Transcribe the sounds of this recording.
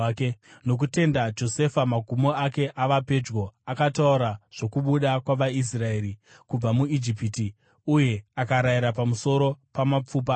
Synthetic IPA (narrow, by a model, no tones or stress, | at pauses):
no̞k̬ute̞ndad͡ʒo̞se̞famaɡʱumo̞ake̞ʔaʋape̞d͡ʒɡo̞akatauɾaʐ̥o̞kuɓuɗakwaʋais̬rae̞ːɾi | kub͡vamuid͡ʒipiti | uje̞akaɾaiɾapamuso̞ɾo̞pamap͡fuːp̬a